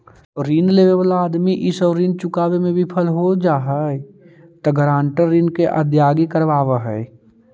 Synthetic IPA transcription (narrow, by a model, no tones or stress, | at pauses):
ɾiːnleːʋeʋaːlaːd̪miʔɪsɔːɾːiːnt͡ʃʊkaːwemẽbʱipʰəlɦod͡ʒaːɦəe | t̪əɡəɾãːɳʈəɾːiːnkeʔa̰d̪jaːɡikəɾʋaːʋəɦɛɪ